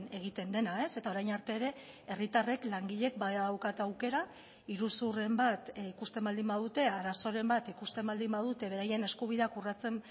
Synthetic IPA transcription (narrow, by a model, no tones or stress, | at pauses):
ne̞ɣ̞it̪e̞nd̪e̞nae̞se̞t̪ao̞ɾajnaɾt̪e̞ːɾe̞ | e̞rit̪are̞klaŋɡiʎe̞k̚baaðawkat̪awke̞ɾa | iɾusure̞mbat̪ikust̪e̞mbald̪imbað̞ut̪e̞aɾaso̞ɾe̞mbat̪ikust̪e̞mbald̪imbaðut̪e̞β̞e̞ɾaje̞ne̞skuβ̞iðe̞akurat͡se̞m